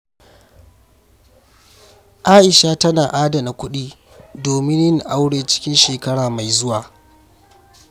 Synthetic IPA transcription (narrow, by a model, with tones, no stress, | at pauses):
ʔaː˦ʔɪ˨ʃa˦tɐ˦naː˨ʔaː˦da˨na˨kʷʊ˦ɗiː˦ | doː˨mɪ˦njɪ˦ŋʔa˦wɽeː˦t͡ʃɪ̥˦kʲɪ˦nʃeː˨kɐ˦ɽaː˨ma˨jzʊ˦waː˨